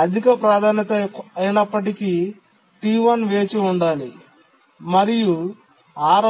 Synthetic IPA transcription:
ɐd̪ʱikɐpɾaːd̪ʱaːnjɐt̪ɐɐjnɐpːɐʈiki | ʈiːʋɐnʋe̞ːt͡ʃiuɳɖaːlḭ | mɐɾiju | aːɾ

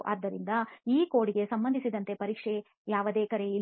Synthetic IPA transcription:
ʔa̰ːd̪ːɐɾind̪ɐiːko̞ːɽiɡesɐmbɐnd̪ʱisid̪ɐnt̪e̞pɐɾiːkʂe | jaːʋɐd̪eːkɐɾe̞i

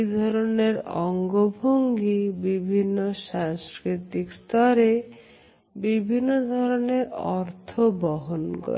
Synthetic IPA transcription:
d̪ʱɔɾoneɾɔŋɡobʱoŋɡibibʱinːosaŋskɾit̪ikst̪ʰɔɾe | bibʱinːod̪ʱɔɾɔneɾɔɾt̪ʰobɔɦonɡɔ̰

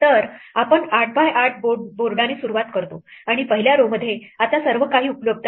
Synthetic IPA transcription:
t̪əɾ | apəɳaʈ̚ʰbʱajaʈ̚ʰboɖboɾɖaniːsuɾuʋat̪kəɾt̪o | aɽ̃ipəɦiljaɾoməd̪ʱːjeat͡ɕasəɾʋəkaɦiːupljəb̚d̪

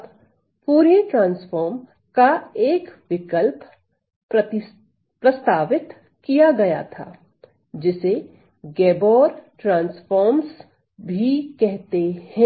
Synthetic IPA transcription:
t̪ | puːɾeʈɾãːnsfɔːɾm | kaeːkʋɪkəlp | pɾɐst̪aːʋɪt̪ | kijaɡɐja̰t̪ʰa̰ː | d͡ʒɪse | ɡɛːbɔːɾʈɾãːnsfɔːɾms | bʱikɛɦt̪ehɛ̃

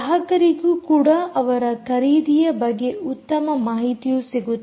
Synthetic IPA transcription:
ɦɐkɐɾiɡukuːɽɐɐʋɐɾɐkɐɾiːd̪ijɐbɐɡːe̞ut̪ːɐmɐmaːɦit̪ijusiɡut̪ː

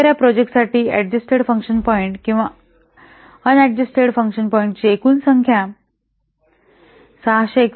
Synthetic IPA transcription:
ɾjapɾɔd͡ʑek̚ʈsaʈiːæɖ̚d͡ʑəsʈeɽfə̃ŋkɕənpɔiɳʈkĩw̃ʋa | ənɛɖ̚d͡ʑəsʈeɽfə̃ŋkɕənpɔĩɳʈ̚t͡ɕeekuːnsəŋkʰja | saɦɕek

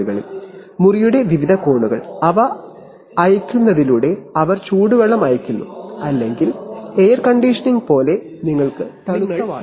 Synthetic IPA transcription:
ɣɐɭḭlmurijuɽe̞ʋiʋid̪ʱɐko̞ːɳuɣɐ̰ɭɐʋɐː | jikʲːunːɐðiluːɽe̞ɐʋɐrt͡ɕuːɽuʋɐɭːɐmɐjɐkʲːunːṵɐlːe̞ŋɡileːrkɐɳɖiʂɐniŋɡpo̞ːle̞ | niŋːɐɭkɨt̪ɐɳu

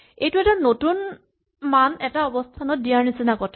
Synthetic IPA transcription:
ejtʊɛtanotun | manɛtaɔbɔstʰanɔt̚dijaɹnisinakɔtʰ

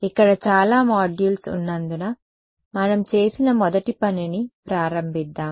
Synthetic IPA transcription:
ikːɐɽɐt͡ʃaːlaːmaːɖjuːlsṵnːɐnd̪unɐ | mɐnɐmt͡ʃe̞ːsinɐmɔd̪ɐʈipɐninipɾaːɾɐmbʱid̪ːaːm

